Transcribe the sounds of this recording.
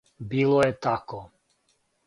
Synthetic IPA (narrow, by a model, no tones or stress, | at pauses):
bilˠɔjɛt̪ako